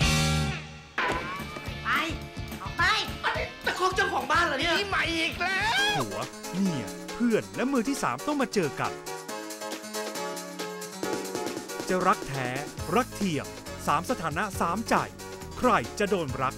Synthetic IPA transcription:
pa˧˩jɔː˨˩pa˧˥˩jt̪ɛː˨˩kʰɔː˧˥mt͡ɕɔ˧ŋkʰɔː˩˦ŋbaː˥˩nlaː˨˧˦nɯ˥˧˩ma˨˦jʔʔiː˨˩k̚lhʰu˩˦ɐ | mi˧˩ə˩ | pʰɯ˧˥˩ənlɛ˦˥mɯː˧t̪ʰiː˥˩saː˩˦mt̪ɔ˥˩ŋmaː˧t͡ɕɤː˧ka̰˨˩n | t͡ɕa˨ɾa˦˥k̚t̪ʰɛː˦˥ɾa˦˥k̚t̪ʰi˧˩əŋ | saː˩˦msa˧t̪ʰaː˩˦na˦˥saː˩˦mt͡ɕa̰˨˩j | kʰɾa˧jt͡ɕa˨˩doː˧nɾa˦˥k̚

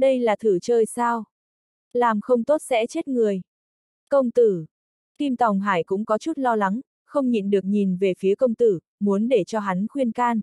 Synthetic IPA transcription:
ɗə˧jlaː˨˩t̪ʰɨ˧˩t͡ɕəː˨˩jsaː˧w | laː˨˩mxə˧wŋ͡mt̪o˦˥t̚sɛ̰˧˥t͡ɕe˦˥t̚ŋɨ˨˩əj | kə˧wŋ͡mt̪ɨ˧˩ | k̪i˧mt̪a˨˩wŋ͡mɦaː˧˩jkʊ̰˧˥ŋ͡mkɔ˨˦t͡ɕu˦˥t̚lɔ˧la˨˦ŋ | xə˧wŋ͡mɲḭ˧˨nɗɨ˨˩ək̚ɲi˨˩nve˨˩fi˨˦əkə˧wŋ͡mt̪ɨ˧˩ | mu˨˦ənɗe˧˩t͡ɕɔ˧ɦa˨˦nxwi˧ənkaː˧n

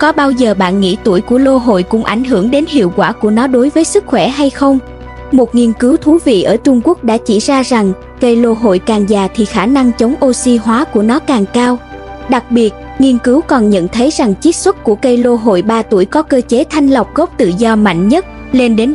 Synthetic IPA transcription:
kɔ˨˦ɓaː˧wzəː˨˩ɓa̰ː˧˨nŋḭ˧˥t̪u˧˩əjku˧˩əlo˧ɦo̰˧˨jkʊ̰˧˥ŋ͡mʔa˧˩jŋ̟ɦɨ˧˩əŋɗe˨˦nɦḭ˧˨əwkwaː˧˩ku˧˩ənɔ˨˦ɗo˨˦jvəː˨˦jsɨ˦˥k̚xwɛ˧˩ɦa˧jxə˧wŋ͡m | mo˨˩t̚ŋi˧ənkɨ˨˦wt̪ʰu˨˦vḭ˧˨ʔəː˧˩t͡ɕʊ˧ŋ͡mku˦˥ək̚ɗa̰ː˧˥t͡ɕḭ˧˩zaː˧za˨˩ŋ | kə˧jlo˧ɦo̰˧˨jkaː˨˩ŋzaː˨˩t̪ʰi˨˩xaː˧˩na˧ŋt͡ɕə˨˦wŋ͡mʔo˧si˧ɦwaː˨˦ku˧˩ənɔ˨˦kaː˨˩ŋkaː˧w | ɗa˨˩k̚ɓi˨˩ət̚ | ŋi˧ənkɨ˨˦wkɔ˨˩nɲə̰˧˨nt̪ʰə˨˦jza˨˩ŋt͡ɕi˦˥t̚swə˦˥t̚ku˧˩əkə˧jlo˧ɦo̰˧˨jɓaː˧t̪u˧˩əjkɔ˨˦kəː˧t͡ɕe˨˦t̪ʰa˧jŋ̟lə˨˩wk͡p̚ɣɔ˦˥p̚t̪ɨ̰˧˨zɔ˧ma̰˧˨jŋ̟ɲə˦˥t̚ | le˧nɗe˨˦n

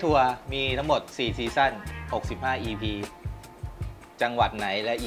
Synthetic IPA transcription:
t̪ʰu˧ɐmiː˧t̪ʰa˦˥ŋmo˨˩t̪̚siː˨˩siː˧sa˥˩nho˨˩k̚si˨˩p̚haː˥˩ʔiː˧pʰiː˧ | t͡ɕa˧ŋwa˨˩t̪̚na˩˦jlɛ˦˥ʔ

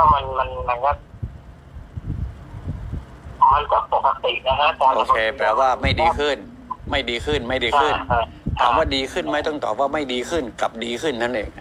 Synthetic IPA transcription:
ka˧˩ma˧nma˧nma˧˦nka˧˥˩t | kʰɔː˨˦nka˧˩k̚po˨˧˩kːa˧t̪i˨˩ʔla˧kʰa˦˥˧ʔoː˧˩kʰeː˧plɛː˧waː˥˩ma˥˩jdiː˧kʰɯ˥˩n | ma˥˩jdiː˧kʰɯ˥˩nma˥˩jdiː˧kʰɯ˥˩n˧˩ | ka̰˨˩p̚waː˥˩diː˧kʰɯ˥˩nma˦˥˩jt̪ɔ˥˩ŋt̪ɔː˨˩p̚waː˥˩ma˥˩jdiː˧kʰɯ˥˩nka˨˩p̚diː˧kʰɯ˥˩nːa˥˩nʔḛː˧˩ŋ˧

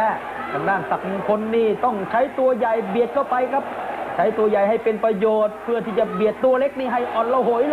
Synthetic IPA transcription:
ɛ˦˥ | k̪ʰaː˧˩ŋdaː˧˥˩ŋsa˨˩k̚muː˨˩ŋkʰo˧nːiː˥˩t̪ɔ˥˩ŋt͡ɕʰa˦˥jt̪u˧ɐja˨˩jbi˨˩ət̪̚kʰa˥˩wpa˧jkʰa˦˥p̚t͡ɕʰa˦˥jt̪u˧ɐja˨˩jɦa˥˩jpe˧npɾa˧joː˨˩t̪̚pʰɯ˥˩ət̪ʰiː˥˩t͡ɕa˨˩bi˨˩ət̪ːu˧ɐle˦˥k̚niː˥˩ɦa˥˩jʔɔː˨˩nla˧˩who˨˩˦jl

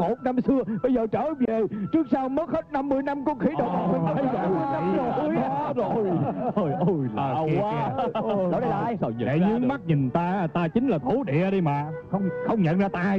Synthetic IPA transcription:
mo˨˩t̚na˧msɨ˧əɓə˧jzəː˨˩t͡ɕəː˧˨˩ve˨˩t͡ɕɨ˦˥ək̚sa˧wmə˦˥t̚he˦˥t̚na˧mːɨ˧əjna˧mkɔ˧˦xi˧˦ɗə˨˩wʔa˨˩k̪ːo˨˩˧zo˨˩jə˧˩jə˧˩j | e˨˩la̰ː˧˩˨jɗḛ˨ɲɨ˨˦ma˦˥t̚ɲï˨˩nt̪aː˧˦t̪aː˧t͡ɕï˨˦ŋ̟laː˨˩t̪ʰo˨˦ɗḭ˧˨əɗi˧maː˨˩xə˧wŋ͡mxə˧wŋ͡mɲə̰˧˨nzaː˧t̪aː˧

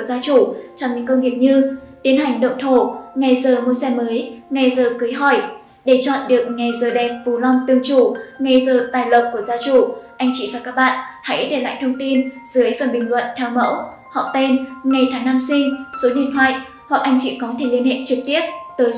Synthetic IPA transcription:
u˩əzaː˧t͡ɕu˧˩t͡ɕɔ˧ŋ͡mɲɨ̰˧˥ŋkə˧wŋ͡mvi˨˩ək̚ɲɨ˧t̪i˨˦ənhɦa˨˩jŋ̟ɗə̰˧˨wŋ͡mt̪ʰo˧˩ŋa˨˩jzəː˨˩mu˧sɛ˧məː˨˦jŋa˨˩jzəː˨˩kɨ˨˦jɦɔ˧˩j | ɗe˧˩t͡ɕɔ̰˧˨nɗɨ˨˩ək̚ŋa˨˩jzəː˨˩ɗɛ˨˩p̚vu˨˩lɔ˧ŋ͡mt̪ɨ˨˧˩əŋt͡ɕu˧˩ŋa˨˧˩jzəː˨˩t̪aː˨˩jlə˨˩p̚ku˧˩əzaː˧t͡ɕu˧˩ʔa˧jŋ̟t͡ɕḭ˧˨vaː˨˩kaː˦˥k̚ɓa̰ː˧˨nha̰˧˥jɗe˧˩la̰ː˧˨jt̪ʰə˧wŋ͡mt̪i˧nzɨ˨˦əjfə˨˩nɓï˨˩ŋ̟lwə̰˧˨nt̪ʰɛ˧wmə̰˧˥w | hɔ̰˧˨t̪e˧nŋa˨˩jt̪ʰaː˨˦ŋna˧msï˧ŋ̟so˨˦ɗḭ˧˨ənt̪ʰwa̰˧˨ʔ | hwa˨˩k̚ʔa˧jŋ̟t͡ɕḭ˧˨kɔ˨˦t̪ʰe˧˩li˧ənhḛ˧˨nt͡ɕɨ˨˩k̚t̪i˦˥əp̚t̪əː˨˦j

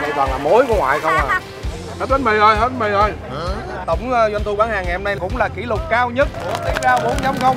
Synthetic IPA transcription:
ɓə˨˩jt̪waː˨˩laː˨˩mo˨˦jku˧˦əŋwa̰ː˧˨jt̪ʰə˧waː˨˩ | he˦˥t̚hə˦˥t̚ma˧jʔəː˧jɦe˦˥t̚ma˧jʔəː˧j | t̪ə˧˩wŋ͡mzwa˧nt̪u˧ɓaː˨˦nhaː˨˩ŋː˨˩hmna˧jkʊ̰˧˥wŋ͡mlaː˨˩ki˧˩lʊ˨˩k͡p̚kaː˧wɲə˦˥t̚t̪i˨˦˥ət̚zaː˧ɓu˨˦ənt͡ɕa˧˦wŋ͡mxə˧wŋ͡m

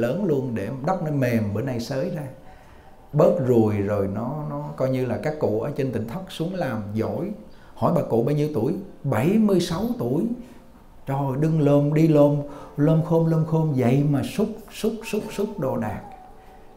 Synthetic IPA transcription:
ləː˨˦nlu˧ənɗe˧˩ɗa˦˥k͡p̚nɔ˧mɛ˨˩mɓəː˧˩nːa˧jsəː˨˦jzaː˧ | ɓəː˦˥t̚zu˨˩əjzo˨˩jnɔ˨˦nɔ˨˦kɔ˧jɲɨ˧laː˨˩kaː˦˥kːṵ˧˨ʔəː˨˩˦t͡ɕe˧nt̪ï˧˨˩ŋ̟t̪ʰa˦˥k̚su˨˦əŋlaː˨˩mzo̰˧˥˨j | hɔ̰˧˩jɓaː˨˩kṵ˧˨ɓaː˧wɲi˧əwt̪u˧˩əjɓə˧˩jmɨ˧əjsa˨˦wt̪u˧˩əj | t͡ɕɔ˧˩ho˨˩jɗɨ˧ŋloː˧mɗi˧lo˧mlo˧nxo˧mlo˧nxo˧mvə̰˧˨jmaː˨˩sʊ˦˥k͡p̚sʊ˦˥k͡p̚sʊ˦˥k͡p̚sʊ˦˥k͡p̚ɗo˨˩ɗaː˨˩k̚

